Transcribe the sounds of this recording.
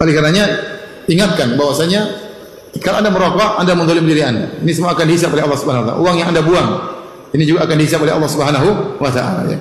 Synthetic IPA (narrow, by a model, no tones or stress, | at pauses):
kalikarnaɲa | iŋat̪̚kanbawasaɲa | kaloʔandaməɾokɔʔandamənd̪olɪmdiɾianda̰inis̬əmuaːkandiɦisapolɛalːɑhsubɦanaɦwat̪a̰l̰a̰uaŋjaŋandabuaŋ | inid͡ʒuɡaːkandiɦis̬apolɛa̰lːɑhsubəɦanaɦuwat̪a̰ʔa̰la̰ja̰